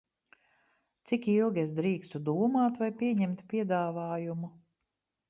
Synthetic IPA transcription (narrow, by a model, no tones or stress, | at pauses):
t̪sikilˠɡʲiesd̪ɾiːkst̪ud̪uːmaːt̪vajpʲiɛɲɛmt̪pʲiɛd̪aːvaːjumu